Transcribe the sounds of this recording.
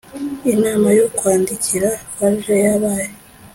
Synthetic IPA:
inaːmajokwaːndiciɾaβaʒejaβaːje

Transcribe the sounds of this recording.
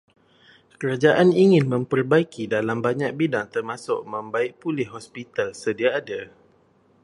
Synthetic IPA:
kəɾad͡ʒaʔaniŋɪ̃nmə̃mpərbaikidalambaɲak̚bidaŋt̪ərmasʊ̰ʔ̚mə̃mbaɪk̚pulɪhɦɔspit̪alsədiaːda

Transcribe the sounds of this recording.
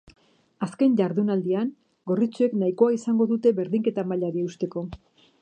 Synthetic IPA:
aske̞ɲʎaɾðunald̪ian | ɡo̞rit͡sue̞knaiko̞aisaŋɡo̞ðut̪e̞βe̞ɾðiŋke̞t̪amaʎaɾieust̪e̞ko̞

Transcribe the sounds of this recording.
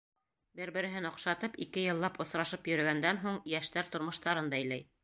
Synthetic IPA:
bɘɾbɘ̆ɾɘ̆ɦɘnɑqʃɑt̪ɤpḭkɘjɤ̆lˠːɑpŏsɾɑʃɤpjɵ̆ɾɘ̆ɡænd̪ænɦuɴjæʃt̪æɾt̪ŏɾmŏʃt̪ɑɾɤnd̪ɑɘ̆jlæj

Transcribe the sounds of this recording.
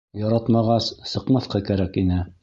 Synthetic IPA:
jɒɾɑt̪mɑʁɑsːɤ̆qmɑθqɑkæɾækinɘ

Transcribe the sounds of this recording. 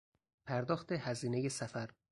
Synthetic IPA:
pʰæɾd̪ɒːxt̪ʰehæziːneje̞sæfæɾ

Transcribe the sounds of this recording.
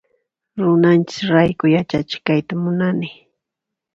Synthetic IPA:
ɾʊnant͡ʃɪ̥sɾajkʊjat͡ʃat͡ʃɪ̥kajt̪amʊnanɪ

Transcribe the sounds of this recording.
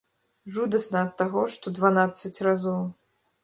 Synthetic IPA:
ʐud̪ɐsnɐːt̪ːaɣɔʂt̪ɔd̪vanat̪sɐt͡sʲrazɔw

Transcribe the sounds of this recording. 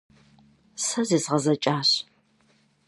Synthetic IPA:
sɐzeːsʁɐzɐt͡ʃʼaːɕ

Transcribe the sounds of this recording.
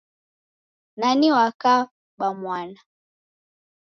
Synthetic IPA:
naniwaka | ɓamwana

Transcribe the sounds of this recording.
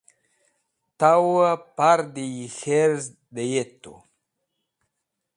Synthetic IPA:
t̪awapaɾd̪ijixeɾz | d̪ejet̪ːṵ

